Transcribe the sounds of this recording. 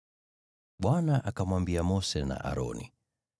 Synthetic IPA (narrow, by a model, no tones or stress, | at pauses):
ɓwanaʔakamwambiamɔsɛna̰ʔa̰ɾɔ̰nḭ